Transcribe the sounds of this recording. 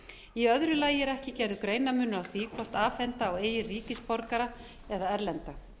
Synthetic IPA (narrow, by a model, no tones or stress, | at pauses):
iœðɾʏlaːjɪɛɾɛhcɪcɛɾðʏkɾeːjnamʏnːʏawθikʰvɔr̥t̪aːfɛnt̪aɔɣeːjɪriːcɪspɔɾkaɾa | ɛðaɛɾlɛnt̪a